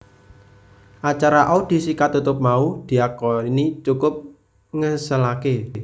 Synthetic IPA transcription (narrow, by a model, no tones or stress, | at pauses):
ʔat͡ʃaɾaʔod̪̥i̤sikat̪ut̪ʊp̚maud̪̥i̤akɔinit͡ʃukʊp̚ | ŋəsəlake